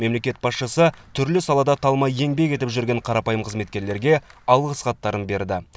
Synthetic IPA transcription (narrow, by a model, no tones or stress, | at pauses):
me̞mle̞kʲe̞t̪̚bɑsʃəsət̪ʰʏɾlɪsɑlˠɑd̪ɑt̪ʰɑlˠmɑje̞ŋbe̞kʲe̞t̪ɪpʒʏɾɡʲe̞ɴqʰɑɾɑpɑjəmqʰəzme̞t̪kʲe̞ɾle̞ɾɡʲe̞ɑlˠʁəsqʰɑt̪ːɑɾənbe̞ɾd̪ɪ